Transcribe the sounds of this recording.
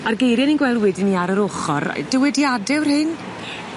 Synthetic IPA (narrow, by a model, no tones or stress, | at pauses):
arɡejɾjaninɡwɛlˠwɛdɪniaɾəɾoχɔr̰d̥ɪwɛdiadɪwrhɪn